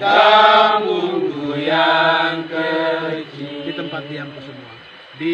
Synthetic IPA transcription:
əmuɡujaŋkəd͡ʒidit̪əmpat̪̚d̪ijaŋt̪əsəmua | di

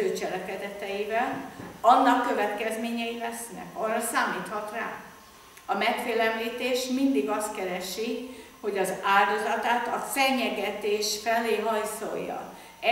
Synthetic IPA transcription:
øːt͡ʃɛlɛkɛd̪ɛt̪ɛjivɛlɒnːɒkːøvɛt̪kɛzmeːɲɛilɛsnɛ̰kɒrːɒsaːmiːt̪hɒt̪ra̰ː | ɒmɛkfeːlɛmliːt̪eːʃmind̪iɡɒst̪kɛɾɛʃi | ho̞ɟɒzaːld̪ozɒt̪aːt̪ɒfɛɲːɛɡɛt̪eːʃfɛleːɦɒjso̰jːɒ̰ | ɛ

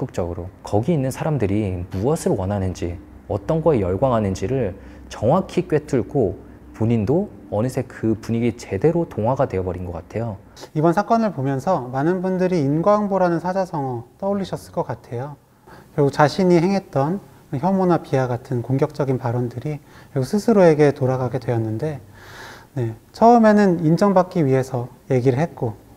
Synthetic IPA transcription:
k͈ɯk̚t͡ɕ͈ʌɡɯɾokʌɡiːnːɯnsʰaɾamdɯɾimuʌsʰɯɭwʌnɦanɯnd͡ʑi | ʌt͈ʌnɡʌejʌɭɡwaŋɦanɯnd͡ʑiɾɯɭ | t͡ɕʌŋwakʰikɥe̞tʰuɭɡo | poɲindo | ʌnɯsʰekɯpuɲiɡit͡ɕe̞de̞ɾotoŋɦwaɡadwe̞ʌbʌɾinɡʌk͈atʰe̞jo | ibʌnsʰak͈ʌnɯɭpomjʌnsʰʌmanɯnbundɯɾiːnɡwaŋboɾanɯnsʰad͡ʑasʰʌŋʌt͈ʌuʎːiɕʰʌs͈ɯɭk͈ʌk͈atʰe̞jo | kjʌɡukt͡ɕaɕʰiɲiɦe̞ŋɦe̞t̚t͈ʌn | çjʌmonapiaɡatʰɯnkoŋɡjʌk̚t͡ɕ͈ʌɡinpaɾʌndɯɾi | kjʌɡusʰɯsʰɯɾoe̞ɡe̞toɾaɡaɡe̞dwe̞jʌnːɯnde̞ | ne̞t͡ɕʰʌɯme̞nɯnind͡ʑʌŋbak͈iɥiɦe̞sʰʌ | je̞ɡiɾɯɭɦet̚k͈o

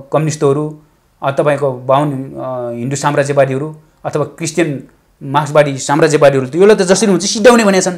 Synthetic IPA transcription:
kʌmjnist̪ɦʌɾu | ʌt̪ʌpaĩkobawnɦind̪usamɾad͡zjʌbaɽiɦʌɾu | ʌt̪ʰʌwakrist̪jʌn | maksbaɽisamrad͡zjʌbaɽiɦʌɾut̪ʌjolat̪ʌd͡zʌsʌɾiɦũnt͡sʰʌsid̪ʱːawnebʱʌnjat͡sʰʌn

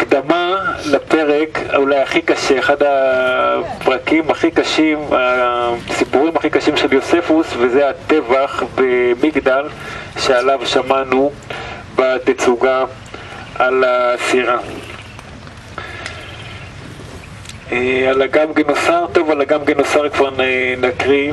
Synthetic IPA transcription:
aakd̪amalape̞ʁe̞ka̰ulajaχikaʃeːχada | pʁakimaχikaʃimasipuʁimaχikaʃimʃeljo̞se̞fusvezeat̪e̞vaχbemiɡd̪al | ʃealavʃamanu | bat̪et͡suɡa | alasiʁa | ealaɡamɡenosaʁt̪o̞valaɡamɡenosaʁkvaʁnenakʁi

